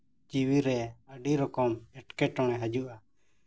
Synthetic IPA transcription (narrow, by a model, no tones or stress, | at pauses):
d͡ʒiwiɾɛəɖiɾɔkɔmɛʈkɛʈɔŋɛɦad͡ʒuʔa